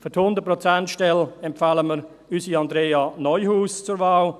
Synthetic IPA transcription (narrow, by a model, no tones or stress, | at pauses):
fythʊndət̚prɔt͡sɛntʃtɛlɛmfaːləməɾ | ysiɑndɾeːɑnɔʏhuːst͡sʊɾvaːl